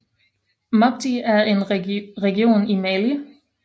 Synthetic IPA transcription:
mɑb̚d̥iæɐe̝nʁɛɡio̝̰ːnimɛːli

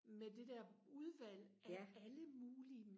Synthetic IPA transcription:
med̥e̝d̥ɛɐuð̞ˠʋæl̰ʔææləmuːli

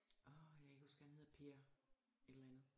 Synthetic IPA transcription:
ʔɒjäe̝ɡ̥ɒsɡ̥æɐnhe̝ð̰ˠɐpʰe̝ɐ | elɐænð̞̩ˠ

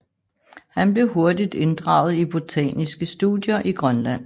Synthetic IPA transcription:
hænb̥le̝ɦo̝ɐdid̥e̝nd̥ʁɑ̰̈ʊð̞̩ˠib̥o̝t͡sʰɛ̰ːnisɡ̥əsd̥ṵdˠjɐʔiɡ̥ʁɶnlæn̰

